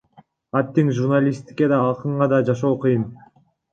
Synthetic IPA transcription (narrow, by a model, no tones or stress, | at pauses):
at̪ːiŋʒurnalʲist̪i̥kʲed̪ɑːlˠqɯɴʁɑd̪ɑd͡ʒɑʃo̞ːqʰɯjɯn